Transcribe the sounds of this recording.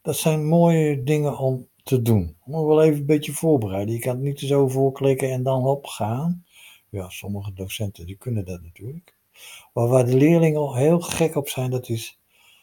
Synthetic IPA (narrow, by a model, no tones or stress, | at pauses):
d̥ɔtsɛjnmoːjədɪŋəɔmtʰədunmuəkʋɛlˠejvənəbɪtjəv̥oːɹbərɛjdəjəkantnitəzowvoːklɪkəɛndɔnɔpxaːn | jasɔməɣədowsɛntədikʰønədɔtnatʰyːlək | ʋaʋaːdəlɪəlɪŋəɔɦɪːlˠxɛkɔpsɛjndɔtɪs